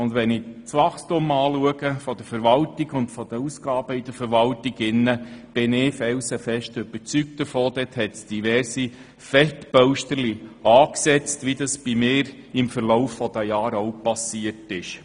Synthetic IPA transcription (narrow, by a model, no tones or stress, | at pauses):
ʊndʋɛnɪt͡sʋɑχstʊmɑːluəɡ̥əfɔd̪̥əɾfəɾʋɑltiɡʊntfɔd̥̪əuːsɡ̥ɑːb̥əɪd̥əɾfəɾʋɑltiɡɪnːəb̥ɪnɪfɛwsɛfɛʃtʏb̥əɾt͡syk̚tdəfoːd̥̪ɛthɛtsd̥iʋɛrsi | fɛtb̥œʊʃtəɾliɑːksɛt͡stʋid̪ɑsb̥imɪːɾ | ɪmfəɾlɔʊfːɔd̥̪æjɑːɾɔʊpɑsiərtɪʃ